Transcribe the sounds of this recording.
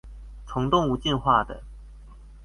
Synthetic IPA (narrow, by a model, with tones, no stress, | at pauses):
t͡sʰʊ˧˥˦ŋt̪ʊ˥˨ŋu˧˥t͡ɕi˥˧nxwa˥˩d̪ə̰˩